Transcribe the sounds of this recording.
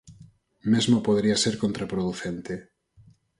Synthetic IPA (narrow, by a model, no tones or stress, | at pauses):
mezmopoðeɾiaseɾkont̪ɾapɾoðuθent̪e